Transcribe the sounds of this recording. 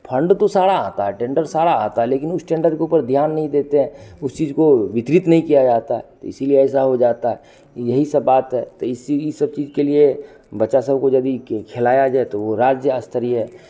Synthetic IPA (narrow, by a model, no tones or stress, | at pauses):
pʰɐ̃ɳɖt̪osaːɽaaːt̪aɦɛʈẽːɳɖəɾsaːɽaa̰ːt̪aɦɛleːkɪnʊsʈɛ̃ːɳɖəɾɖkeuːpəɾd̪ʱjaːnːɐɦĩd̪eːt̪eɦɛ̃ʊst͡ʃiːzkoʋɪt̪ɾɪt̪nəɐɦĩkijad͡ʒaːt̪aɦɛt̪oɪsilieɛːsaɦod͡ʒaːt̪aɦɛ | kijɐɦisɐbːaːt̪ɦɛːt̪oɪsisɐb̚t͡ʃiːzkelie | bɐtːʃasɐbkojɐd̪ikʰɪlaːjad͡ʒaːet̪oʋoɾaːd͡ʒjəəst̪əɾiɦɛː